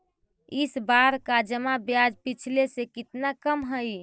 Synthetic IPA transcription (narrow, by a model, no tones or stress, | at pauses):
ɪsbaɾkad͡ʒəmabjad͡ʒpit͡ʃʰlesekɪt̪nakəmɦəi